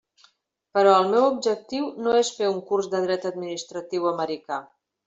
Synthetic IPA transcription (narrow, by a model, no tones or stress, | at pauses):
pəɾɔəlˠmɛwub̚ʒək̚t̪iwnoesfeuŋkurzd̪əð̞ɾɛt̪əd̪̚minist̪ɾət̪iwəməɾika